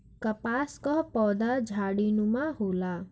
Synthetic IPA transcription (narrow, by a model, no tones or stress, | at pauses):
kəpaskɔɦpɔːd̪ad͡ʒʱaːɽinũmãɦoːla